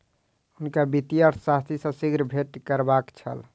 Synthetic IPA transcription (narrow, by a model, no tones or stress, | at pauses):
ʊnkabit̪ijəɾsast̪ʰisə̃sɪɡɾbʱeʈkəɾbakt͡ʃʰə̰l